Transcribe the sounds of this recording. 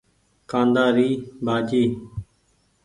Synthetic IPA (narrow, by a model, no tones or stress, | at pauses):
kãːnd̪aːɾiːbʱaːd͡ʒiː